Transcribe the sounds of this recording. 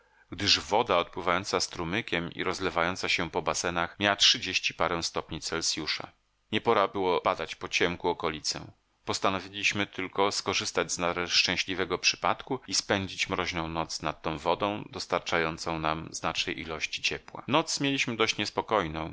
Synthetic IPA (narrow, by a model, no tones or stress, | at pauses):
ɡd̪ɘʐvɔd̪aɔt̪̚pwɘvajɔnt̪sast̪ɾumɘkʲɛmḭɾɔzlɛvajɔnt̪saɕɛpɔbasɛnaxmʲjawatʂɘd͡ʑeɕt͡ɕipaɾɛ̃w̃st̪ɔpɲit̪sɛlsʲjuʂa̰ | ɲɛpɔɾabɘwɔbad̪at͡ɕpɔt͡ɕɛmkuɔkɔlʲit̪sɛ̰ | pɔst̪anɔvʲilʲiɕmɘt̪ʰɘlkɔskɔʐɘst̪ad͡ʑznaɾɛʂt͡ʂɛ̃ɕlʲivɛɡɔpʂɘ̥pat̪kuispɛɲd͡ʑit͡ɕmɾɔʑnɔ̃w̃nɔt̪snat̪ːɔ̃w̃vɔd̪ɔ̃w̃d̪ɔst̪aɾt͡ʂajɔnt̪sɔ̃w̃namznat͡ʂɲɛʔilɔɕt͡ɕi̥t͡ɕɛpwa̰nɔt̪smʲjelʲiɕmɘd̪ɔɕt͡ɕɲɛspɔkɔjnɔ̃w̃